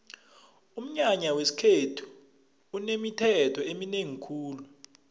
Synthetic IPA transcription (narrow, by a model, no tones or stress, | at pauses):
um̩ɲaɲawesi̥kʰetʰu̥ː | nemitʰɛtʰɔemineŋikʰuːlu